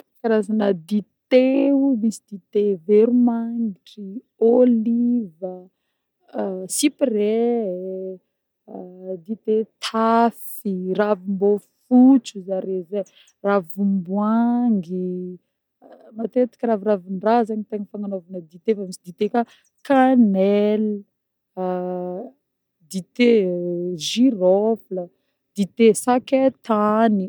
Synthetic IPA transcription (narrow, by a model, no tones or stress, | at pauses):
kaɾazanəd̪it̪eumisid̪̥it̪eveɾumaŋiʈ͡ʂi | olivə | siprɛ | d̪it̪et̪ʰaf | iravimbofut͡suzaɾeze | ravumbwaŋɡi | mat̪et̪i̥kʲəɾaviravinrazaɲit̪eɲifaŋanovanəd̪it̪efamit͡ʃid̪it̪eka | kanɛl | d̪it̪e | ʒiɾɔflə | d̪̥it̪esaket̪ani